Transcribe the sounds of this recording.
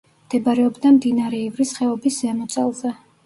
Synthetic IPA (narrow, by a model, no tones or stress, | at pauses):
md̪̥ɛbaɾɛɔbd̪amd̪inaɾɛivɾisχɛɔbiszɛmɔt̪sʼɛ̰lˠzɛ